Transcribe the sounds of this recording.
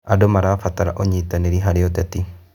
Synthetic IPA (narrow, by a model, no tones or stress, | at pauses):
adomaɾafat̪aɾa̰ʔɔɲit̪aneɾiɦaɾeɔt̪ɛt̪i